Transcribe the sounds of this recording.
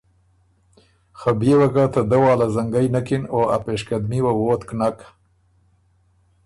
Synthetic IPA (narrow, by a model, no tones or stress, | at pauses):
xabjewakat̪ad̪awɑːlazaŋɡajnakinoa̰peːʃkad̪miwawoːt̪knak